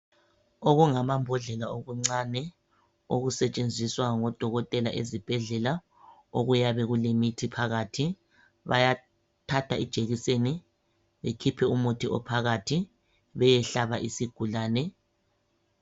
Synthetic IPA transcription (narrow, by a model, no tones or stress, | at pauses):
oɣuŋamambʱɔɮɛlaoɣuŋ͡ǀanɛ | oɣusɛt͡ʃʼend͡zʱiswaŋɔd̥ʱɔɣɔtʼɛlaʔezib̥ʱɛɮɛla | oɣujaβɛɣulemitʰipʰaɣatʰi | βa̰ja | tʰatʰaid̥ʒ̥ʱeɣiseni | βekʰipʰɛumutʰiʔɔ̰pʰaɣatʰi | βɛjɛɬaβaʔisiɡ̥ʱulaːnɛ